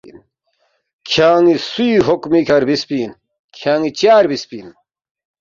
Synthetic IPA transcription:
n | kʰaːŋisuiɦokmikʰɐɾbispiːn | kʰaːŋit͡ɕaːɾbispiːn

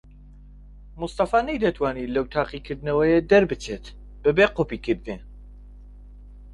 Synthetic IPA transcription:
must̪ɑfaːnɛjd̪ɛt̪ʰwaːniləwt̪ʰaːqikʰɨɾd̪nəwɛjed̪ɛɾbɨt͡ʃʰet̪ | b̥ɨbeːqopikʰɨɾd̪ne

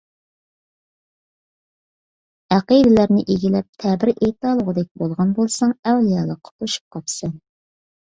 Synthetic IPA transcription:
æqid̪ɪlæɾnɪʔeɡʲilɛp̚t̪ʰɛbɪɾʔet̪ɑːlˠəʁəd̪ɛk̚ʲbolˠʁɑnbolˠsɑŋɛwlijɑlˠɑqʰːə̥t̪uʃu̥p̚qʰɑpsɑn

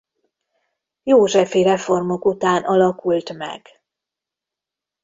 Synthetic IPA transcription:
joːʒɛfiɾɛfo̞rmo̞kut̪aːnʔɒlɒkult̪mɛ̰ɡ̥

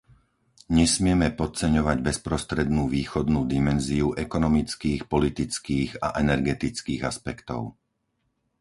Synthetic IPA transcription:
ɲɛsmɪɛmɛpɔt͡sɛɲɔʋaɟbɛspɾɔst̪ɾɛd̪nuːʋiːxɔd̪nuːd̪imɛnziuʔɛkɔnɔmit͡skiːxpɔlit̪it͡skiːɣa̰ʔɛnɛɾɡɛt̪it͡skiːɣaspɛkt̪ɔ̰ʊ

